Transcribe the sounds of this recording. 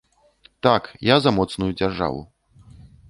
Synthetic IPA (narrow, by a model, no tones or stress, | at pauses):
t̪akjazɐmɔt̪snujud͡zʲarʐa̰vṵ